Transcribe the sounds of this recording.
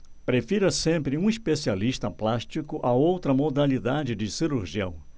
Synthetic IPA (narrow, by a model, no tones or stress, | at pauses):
pɾefiɾɐsẽmpɾɪũispesialiʃt̪ɐplaʃt͡ʃikʊʔaowt̪ɾɐmod̪alid̪ad͡ʒɪd͡ʒɪsiɾuɾʒiɐ̰̃w̃